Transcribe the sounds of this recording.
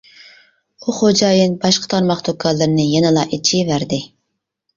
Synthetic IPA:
uχod͡ʒɑːjɨnbɑʃqə̥t̪ʰɑɾmɑχd̪okʰːɑlˠːɨɾnɨjɛnɨlˠɑʔit͡ʃʰivæɾd̪ɪ

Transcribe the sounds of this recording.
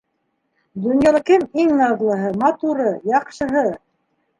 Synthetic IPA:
d̪ŏnjɑlˠɑkɘmiŋnɑðlˠɤ̆ɦɤmɑt̪uɾɤjɑqʃɤ̆ɦɤ

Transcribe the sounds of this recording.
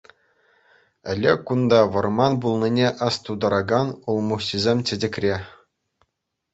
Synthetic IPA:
ɘ̆lʲːekːund̪ɑʋɤ̆rmɑnbulˠnʲinʲeʔɑst̪ud̪ɑɾɑɡɑnulˠmuχɕizʲemʲtʲɘ̆dʲɘ̆kʲrʲe

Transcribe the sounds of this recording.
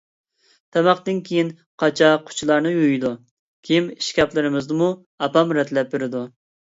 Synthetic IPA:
t̪ʰɛmɑχt̪ɪnkʲʰejin | qʰɑt͡ʃʰɑqʰʊ̥t͡ʃʰulˠɑɾnɨjujd̪u | kʲʰimiʃkʲɑplˠɨɾɪmɨzd̪ɨmu | ɑpɑmɾɛt̪ʰlɛp̚beɾɪd̪u

